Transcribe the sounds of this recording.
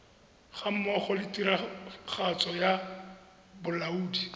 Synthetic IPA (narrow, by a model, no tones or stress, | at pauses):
χam̩mɔχɔlɪtiɾaχʰat͡sʼɔja | bʊlauːdi